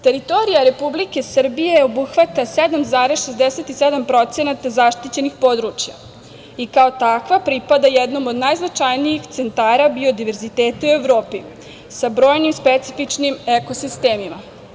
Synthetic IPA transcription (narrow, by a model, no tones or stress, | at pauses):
t̪e̞ɾit̪o̞ɾijaɾe̞publike̞sr̩bijeobuxʋat̪ased̪amzaːɾesʃezd̪eset̪ised̪ampɾo̞t̪se̞nat̪azaʃt̪it͡ɕe̞nixpo̞d̪ɾut͡ʃja̰ | ikao̞t̪akʋapɾipad̪ajɛd̪no̞mo̞d̪najznat͡ʃajnijixt̪se̞nt̪aːɾabio̞d̪iʋe̞ɾzit̪eːt̪aue̞ʋɾo̞ːpi | sabɾo̞ːjnimspet̪sifit͡ʃnimeko̞sist̪eːmima